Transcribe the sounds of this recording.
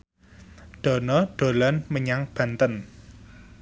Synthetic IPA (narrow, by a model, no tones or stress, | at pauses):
ɖ̪̥ɔ̤nɔɖ̪̥o̤lanməɲaŋb̥ä̤nt̪ən